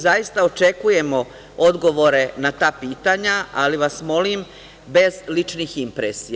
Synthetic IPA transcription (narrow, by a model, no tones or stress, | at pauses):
zajist̪aot͡ʃe̞kuje̞mo̞ | o̞d̪ɡo̞ʋo̞ɾe̞nat̪aːpiːt̪aɲaaliʋasmo̞lim | be̞zlit͡ʃniximpɾesi